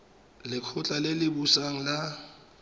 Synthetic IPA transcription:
lɪkʰʊt͡ɬʼalelɪbusaŋ̩la

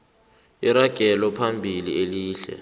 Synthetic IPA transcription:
iɾaɡ̥ʱɛlɔpʰambʱilieliːɬɛ̰

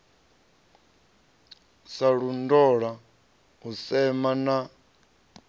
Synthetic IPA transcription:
saɺundɔɺa | ɦusɛmana

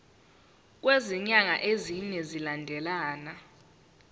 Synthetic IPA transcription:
k̬weziɲaŋaʔeziɲɛzilandʱɛlaːna

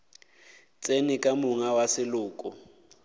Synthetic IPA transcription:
t͡sʼenɪkʼamʊŋawasɪlʊːkʼʊ

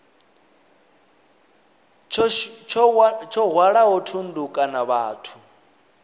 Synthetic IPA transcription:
t͡ʃʰt͡ʃʰɔɦwaɺaɦɔtʰundukʼanaβaːtʰu̥

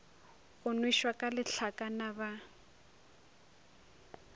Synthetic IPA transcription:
ɣʊnwiʃwakʼalɪɬʰakʼanaβa

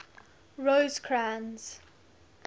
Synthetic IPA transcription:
ɹoːzkʰɹãnz̥

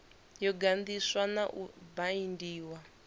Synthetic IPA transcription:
jɔɡand̪iswanaʔubaindiːwa

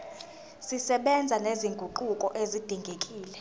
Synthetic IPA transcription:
sisɛɓɛnd͡zʱaneziŋɡʱuǃukʼɔʔezid̥ʱiŋɡʱekʼiːlɛ

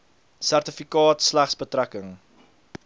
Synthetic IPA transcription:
særtəfikɑːtslæχsbətrækəŋ

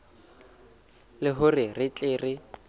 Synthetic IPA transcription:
lɪɦʊrɪrɪt͡ɬʼɪːrɪ

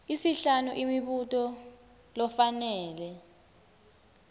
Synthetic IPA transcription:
isiɬanuʔimiɓutʼɔ | lɔfanɛːlɛ

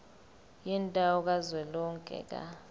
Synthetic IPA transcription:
jintʼaɔk̬azwɛlɔŋkʼɛ̰k̬ʼa̰

